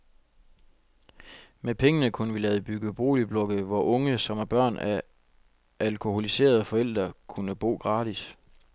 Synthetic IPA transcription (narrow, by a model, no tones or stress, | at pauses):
mepʰeŋənəkʰunəʋilɛːð̞ˠb̥yɡ̥əb̥o̝̰ːlib̥lɔ̽ɡ̥əʋɒʔɔ̽ŋəsɒ̽mæɐb̥ɶɐ̰næ | ʔælkʰo̝ho̝lise̝̰ːɐð̞ˠfɒ̽el̰d̥ʁɐkʰunəb̥o̝̰ːɡ̥ʁɑ̈ːd̥is